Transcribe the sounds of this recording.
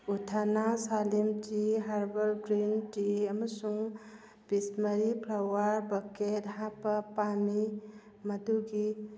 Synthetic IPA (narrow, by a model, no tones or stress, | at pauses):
utʰanasalimtiɦaɾbɐɾɡɾintiɐməsuŋ | b̥isməɾipʰɾawaɾbɐkethãpɐpani | mɐduɡi